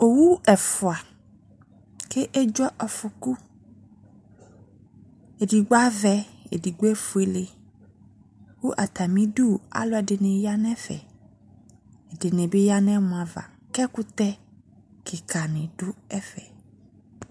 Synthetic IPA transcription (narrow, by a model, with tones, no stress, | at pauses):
o˨wu˦ɛ˨fʊ˨a˨ | kʰɪ˦ʔe˦d͡ʒɔ˦ʔɔ˨fʊ˨ku˦ | e˨di˨ɡ͡ba˦vɛ˦ḛ˨di˨ɡ͡bo˦e˦fʊ˨e˨le˨ | wu˦ʔa˨t̪a˨mĩ˦du˦˨a̰˦lʊ˦ɛ˨dɪ˨nɪ̃˨ja˦nɛ̃˦fɛ̰˨ | ɛ˨dɪ˨nɪ̃˨bɪ˦ja˦nɛ̃˦mʊ̃˨ã˨va̰˨ | kɛ˦kʊ˦t̪ɛ˦ | kʰɪ˨kʰa˨nɪ̃˨dʊ˦ɛ˦fɛ˨